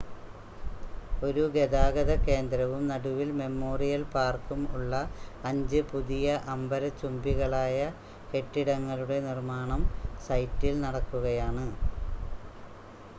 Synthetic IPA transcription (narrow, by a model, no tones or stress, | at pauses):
o̞ɾuɡe̞ðaːɡɐðɐke̞ːnd̪ɾɐʋumnɐɽuʋilme̞mːo̞ːrijɐlpaːrkumuɭːɐɐɲd͡ʑɨpuðijɐʔɐmbɐɾɐt͡ɕːumbiɣɐɭaːjɐ | ke̞ʈːiɽɐŋːɐluɽe̞nirmaːɳɐmsɐjtːilnɐɽɐkːuɣɐjaːɳɨ